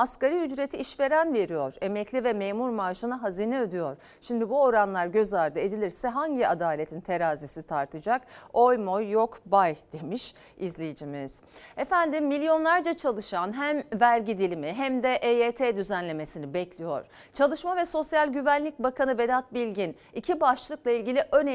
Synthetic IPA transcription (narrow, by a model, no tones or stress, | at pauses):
askaɾiyd͡ʒɾe̞t̪ʰiʔiʃve̞ɾænve̞ɾijo̞ɾe̞mɛclʲivɛmeːmuɾmaːʃɯnaɦaziːnɛød̪yjo̞ɾ̥ | ʃimd̪ibuo̞ɾanlˠaɾɟø̞zaɾd̪ɯe̞d̪ilʲiɾsɛɦaɲɟiad̪aːlʲe̞t̪ʰint̪ʰe̞ɾaːzisit̪ʰaɾt̪ʰɯd͡ʒako̞jmo̞jːokbajd̪̥emiʃ | izlʲejid͡ʒimiz̥efænd̪imːilʲjo̞nlˠaɾd͡ʒat͡ʃʰalˠɯʃanɦæmvæɾɟid̪ilʲimiɦæmd̪ɛʔeeːt̪ʰed̪yzænlʲe̞me̞sinibɛclʲijo̞̰ɾ̥ | t͡ʃʰalˠɯʃmavɛso̞sjalʲɟyvænlʲic̚bakʰanɯve̞d̪at̪̚bilʲɟin | icʰibaʃlˠɯklˠailʲɟilʲiʔø̞n